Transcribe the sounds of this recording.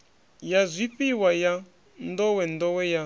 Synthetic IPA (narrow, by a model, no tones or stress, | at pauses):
jazʷiɸiwaja | n̩dɔwɛn̩d̪ɔwɛja